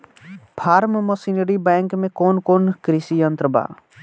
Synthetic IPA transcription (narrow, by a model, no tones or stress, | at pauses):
pʰaːɾmməsineɾibɛ̃ːŋkmẽkoːnkoːnkɾɪsijənt̪ɾəba̰ː